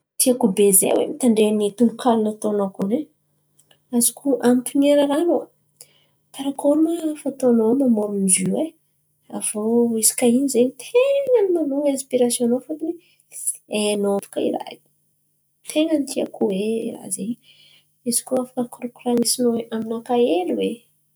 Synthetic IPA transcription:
t̪iakubezḛwḛmit̪aɳɖ͡ʐenit̪unukʰalunat̪onokune | azikʰuʔampineɾaɾanua | t̪aɾakoɾumafat̪onomamoɾunizie | a̰voisi̥kainizeɲit̪ʰeŋənimanuŋãnspiɾasjonofat̪iwe | enoafḁkaḭɾa̰̥ | t̪ʰeŋənit̪ʰia̰kuwea̰zeɲ | izi̥kuafḁkəkɾokuranisinoeʔaminakaeluwe

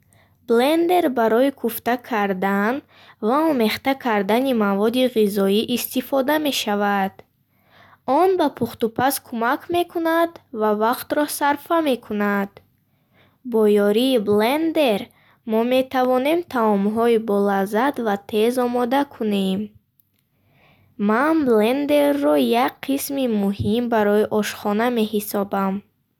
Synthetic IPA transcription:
blend̪e̞ɾbaɾɔikʰuft̪akʰaɾd̪an | vaɔme̞χt̪akʰaɾd̪animavɔd̪iʁizɔiʔist̪ifɔd̪ame̞ʃavad̪̥ | ɔnbapʰuχt̪upʰaskʰumakʰme̞kʰunad̪vavaqt̪ɾɔsaɾfame̞kʰunad̪̥ | bɔjɔɾiːblend̪eɾ | mɔme̞t̪ʰavɔne̞mt̪ʰaɔmɦɔibɔlazad̪vat̪ʰe̞zɔmɔd̪akʰune̞m | manblend̪eɾːɔjakqʰismimuɦimbaɾɔiʔɔʃχɔname̞ɦisɔbam

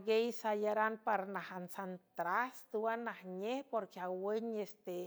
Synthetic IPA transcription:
ɡejsajaɾanpaɾnahansant̪ɾast̪uanahɲehpoɾkiawəɲest̪e

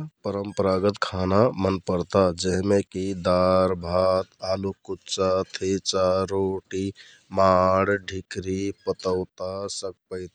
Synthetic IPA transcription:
pəɾəmpəɾaɡət̪kʰanamənpəɾt̪ad͡ʒəɦmekid̪aɾbʱat̪alukutːt͡ʃat̪ʰet͡ʃaɾoʈi | maɽɖʱikɾipət̪əʊt̪asək̚pəɪt̪

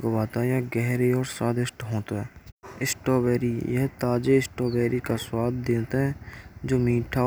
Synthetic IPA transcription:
kobaːt̪ajaɡɛɦɾeɔːɾsaːd̪ɪʃʈɦõːt̪oɦɛːɪsʈoːbɛːɾijɛɦt̪aːd͡ʒeɪsʈoːbɛːɾikaswaːd̪d̪ẽːt̪aɦɛ̃ːd͡ʒoːmiːʈʰa

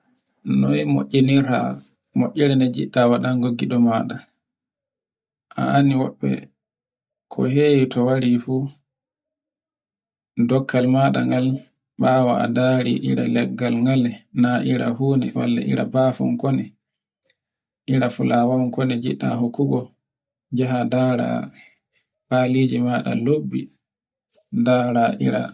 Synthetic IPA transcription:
nɔjmo̰ʔʲːɛniɾa̰ | mɔʔʲːɛɾɛnɛd͡ʒḭɗːawaɗaŋɡoɡːiɗɔmaːɗa | ʔa̰aniwɔɓːɛ̰ | kʰɔ̰hejitɔwaɾifu | dɔkːalmaːɗa̰ŋɡal | ɓawaa̰daɾiʔiɾa̰lɛɡːalŋɡalɛnaʔiɾa̰huːnɛ̰wa̰lːa̰ʔiɾa̰bafɔ̰ŋkɔnɛ | ʔiɾafulawawkɔnɛd͡ʒiɗːa̰ɦokːuɡɔ | d͡ʒaɦadaɾa̰ | palid͡ʒimaɗa̰lobːi | daɾaʔiɾa̰

